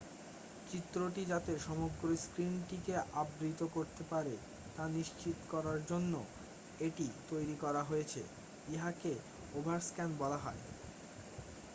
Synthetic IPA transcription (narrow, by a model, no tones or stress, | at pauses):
t͡ɕit̪ːɾoʈid͡ʑat̪eʃɔmoɡɾoskɾinʈikeʔabɾit̪okoɾt̪epaɾe | t̪aniʃt͡ɕit̪okɔɾaɾd͡ʑonːo̰ | eʈit̪ojɾikɔɾaɦojet͡ɕʰḛ | eɦake | obʱaɾskɛnbɔlaɦɔe